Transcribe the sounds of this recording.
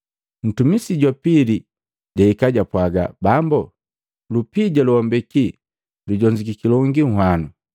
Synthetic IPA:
n̩tumisiɟapili | ɟaikaɟapwaɡa̰bambu | lupiɟaluɔmbɛki | luɟɔɲd͡ʒikikilɔŋɡiŋ̩hwanu

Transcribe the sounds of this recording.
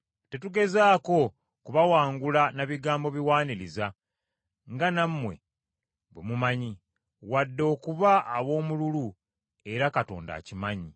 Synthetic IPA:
te̞tuɡe̞zaːko̞ | kuβawaːŋɡulanaβiɡaːmbo̞βiwaːniɾiza | ŋɡanamːwe̞̰ | βwemumaɲi | wadːo̞ːkuβaːβo̞ːmululu | e̞ɾakato̞̰ːnda̰ːcimaɲi

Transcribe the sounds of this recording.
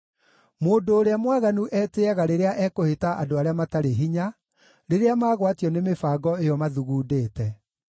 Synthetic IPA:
moːdoːɾeamwaɣanuʔɛːteaɣaɾeɾeaʔɛːkohetaʔadoaɾeamataɾeɦiɲa | ɾeɾeamaːɣwatiɔnemefaɡɔejɔmaðuɣuːdeːtɛ

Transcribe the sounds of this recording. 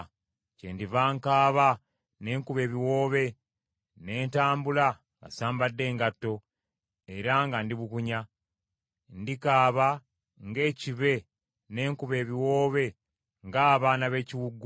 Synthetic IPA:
cḛndivaːŋkaːβa | ne̞ːŋkuβe̞ːβiwo̞βe̞ | ne̞ːntaːmbula | βa̰saːmbadːe̞ːŋɡatːo̞ | e̞ɾaŋɡandiβukuɲa | ndikaːβa | ŋɡe̞ːciβe̞ | ne̞ːŋkuβe̞ːβiwo̞ːβe̞ | ŋɡaːβaːnaβe̞ːciwuɡːu

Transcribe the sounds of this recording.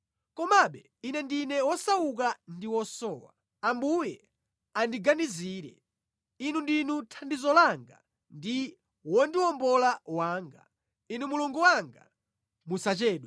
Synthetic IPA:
kɔmaɓɛ | inɛndinɛwɔsawuk̬andiwɔsɔːwa̰ | ambujɛ | andiɡaniziːɾɛ̰ | inundinutʰandizɔlaŋɡa̰ | ndi | wɔndiwɔmbɔlawaːŋɡa | inumuluŋɡuwaŋɡa̰ | musat͡ʃɛːɗwɛ

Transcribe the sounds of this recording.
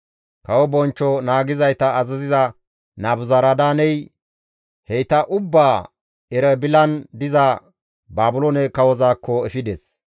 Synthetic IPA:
kɐwɔbɔnt͡ʃːɔnaːɡɪzɐjt̪ɐːzɐzɪzɐ | naːbʊzɐɾɐd̪aːnɛj | hɛjt̪ɐʔʊbːaː | ɛɾɛbɪlɐnd̪ɪzɐ | baːbʊlɔnɛkɐwɔzaːkːɔɛfɪd̪ɛs

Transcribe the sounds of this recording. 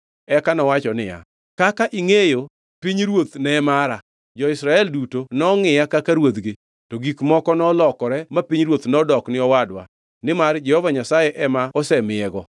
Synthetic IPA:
ɛkanɔwat͡ʃɔnɪja̰ | kakaʔiŋejo | piɲɾwot̪nɛmaɾa | d͡ʒɔɪsɾaɛldutonɔŋɪjakakaɾwod̪ɡɪ | toɡikmɔkɔnɔlɔkɔɾɛmapiɲɾwot̪nɔdɔknɪɔwadwa̰ | nɪmard͡ʒɛhovaɲasajɛʔɛmaɔsɛmɪɛɡɔ

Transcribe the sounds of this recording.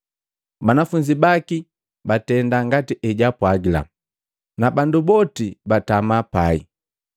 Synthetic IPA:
banafuɲd͡ʒibaki | batɛndaŋɡatiʔɛɟapwaɡila̰m | nabandubɔtibatamapaḭ

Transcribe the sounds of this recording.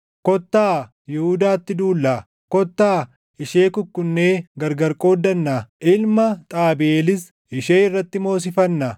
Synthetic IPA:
kɔt̪ːaː | jɛhʊd̪aːt̪ːɪd̪uːlːɐ | kɔt̪ːaː | ɪʃeːkʊkːʊnːeːɡɐɾɡɐɾkʼo̞ːd̪ːɐnːaʔɪlmɐt̪ʼaːbeːlɪs | ɪʃeːɪrːɐt̪ːɪmo̞ːs̬ɪfɐnːɐ

